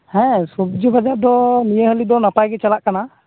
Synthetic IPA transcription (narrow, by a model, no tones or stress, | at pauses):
hɛ̃sub̚d͡ʒubad͡ʒaɾd̪ɔnijəɦəlid̪ɔnapajɡɛt͡ʃalaʔkana